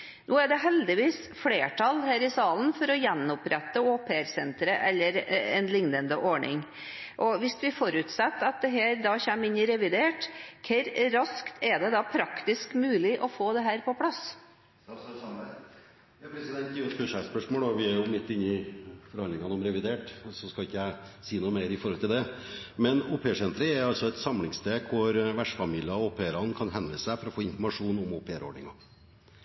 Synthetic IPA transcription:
nʔoːæɖɛɦɛld̪ɪʋiːs | fleːʈʰɑlhæːɾɪsɑːln̩fɔɾɔjɛnːɔpɾʔɛt̪ːəoːpʰeæɾsɛnt̪ɾəʔɛlːəɾɛ̰nlɪŋnənd̪əʔɔɳɪ̰ŋ | ʔɔʋɪsʋɪfɔɾʉt̪sɛt̪ːɑt̪̚d̪ɛɦæːɾd̪ɑːçɛmːɪnːɪɾɛʋɪd̪eːʈkʰɛɾɾɑskt̪ʰɛd̪ɛd̪ɑpʰɾɑkt̪ɪskmʉːlɪʔɔfoːd̪ɛɦæːɾpɔpʰlɑs | ɑpɾɛsɪd̪ɛnt̪ɪʊspʉːʂæspœʂmoːlɔʋɪæɾjʊmɪt̪ːɪnːɪfɔɾhɑnd̪ɪŋɑnɔmɾɛʋɪd̪eːʈsɔskɑlɪkːəjæɪ | siːnuːmeɪɾɪfɔɾhɔlt̪ɪld̪ɛmɛnoːpʰeːsɛnt̪ɾəɛɾɑlsɔɛt̪sɑmlɪŋst̪eːɡ̚kʰʊɾʋæʂfɑmiːlɪɑoːpʰeːɾɑnkʰɑnɦɛnd̪ɾəsæɪfɔɾɔfoːɪnfɔɾmɑʂuːnɔmoːpʰeːɾɔ̰ɖɳɪŋɑ

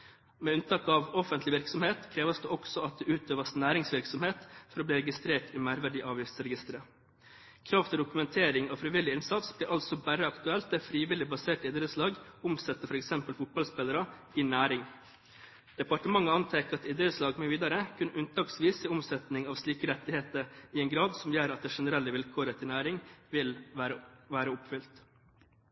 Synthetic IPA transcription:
meːʉnt̪ʰɑːkɑʋɔfənt̪lɪʋɪɾksɔmheːt̪kʰɾeːʋəsd̪eːʔɔksɔɑt̪̚d̪eːʉːt̪øːʋɑsnæːɾɪŋsʋɪɾksɔmheːt̪fɔɾoːb̪iːɾɛɡɪst̪ɾeːʈiːmæɾʋæɖiːʔɑːʋjɪft̪sɾɛɡɪst̪əɾə | kʰɾɑːft̪ʰɪɖ̪ʊkʉmɛnt̪ʰeːɾɪŋoːfɾɪʋɪlɪɪnsɑt̪sb̥liːɾʔɑlsɔbæɾəɑkt̪ʉɛlt̪ɛfɾiːʋɪlɪbɑseːʈɪd̪ɾəslɑːɡʊmsɛt̪ːəfɔɾɛksɛmpəlfʊt̪̚bɑlspɛləɾəɪnæːɾɪŋ | d̪̥ɛpɑʈəmɑŋːəɑnt̪ʰɛkəɑt̪ɪd̪ɾəslɑːɡmoːʋiːd̪ɑɾəkʰʉnʉnt̪ʰɑːksʋiːsɪʊmsɛt̪nɪŋɑːʋsliːkəɾɛt̪ːɪheːt̪əɾɪɛŋɡɾɑːd̪sɔmjøːɾɑt̪̚d̪ɛːʂɛnəɾɛlːəʋɪlkʰoːɾət̪ʰɪlnæːɾɪŋʋɪlæɾʋæːɾəʊpfʏlt̪

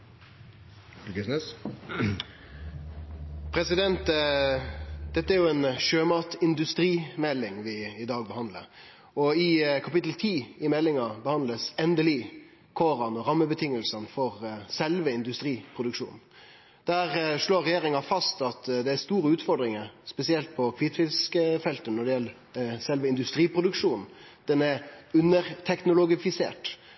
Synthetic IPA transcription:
ɡəsnɛs | pʰɾɛsɪd̪ɛnt̪ | d̪̥ɛt̪ːəæɾjʊɛnʃøːmɑːt̪ɪnd̪ʉst̪ɾiːmɛlːɪŋʋɪɪd̪ɑːɡ̚bəhɑnd̪lə̰ɾ | ɔɪkʰɑpɪt̪ːl̩t̪ʰiːɪmɛlːɪŋɑbəhɑnd̪ləsɛnd̪əliː | kʰoːɾɑnɔɾɑmːəbət̪ʰɪŋːəlsənfɔʁsɛlʋəɪnd̪ʉst̪ɾiːpʰɾʊd̪ʉkʂṵːn | d̪̥æːʁʂɭoːɾɛjeːɾɪŋɑfɑst̪ɑt̪d̪ɛæɾst̪uːɾəʉːt̪fɔɖ̪ɾɪŋəɾspɛsɪɛlt̪̚pʰɔkʰʋiːt̪fɪlskəfɛlt̪ənɔɖɛjɛlːə | sɛlʋəɪnd̪ʉst̪ɾiːpʁʊd̪ʉkʂuːn | d̪̥ɛnæʉnːəɾt̪ʰɛknʊlʊɡɪfɪsḛːʈ

